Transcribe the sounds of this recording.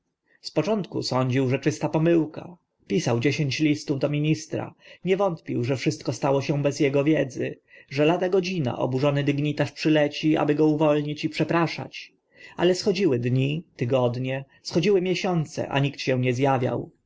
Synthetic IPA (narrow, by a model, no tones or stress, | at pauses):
spɔt͡ʂɔnt̪kusɔɲd͡ʑiwʐɛt͡ʂɘst̪apɔmɘwka | pʲisawd͡ʑeɕeɲt͡ɕlʲist̪uvd̪ɔmʲiɲist̪ɾa̰ɲɛvɔnt̪pʲiwʐɛfʂɘst̪̚kɔst̪awɔɕɛ̃bɛzjɛɡɔvʲjɛd̪zɘ̰ | ʐɛlad̪aɡɔd͡ʑina̰ʔɔ̰buʐɔnɘd̪iɡɲit̪aʂpʂɘlɛt͡ɕia̰bɘɡɔuvɔlɲit͡ɕipʂɛpɾaʂa̰t͡ɕ | a̰lɛsxɔd͡ʑiwɘd̪ɲit̪ɘɡɔd̪ɲɛ | sxɔd͡ʑiwɘmʲjɛɕɔnt̪sɛ̰ʔa̰ɲikt̪ɕɛ̃w̃ɲɛzjavʲja̰w